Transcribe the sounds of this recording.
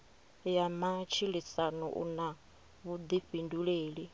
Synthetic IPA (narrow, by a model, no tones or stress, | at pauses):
jamat͡ʃʰiɺisanɔ̰ʔṵna | βud̪iɸinduɺeːɺi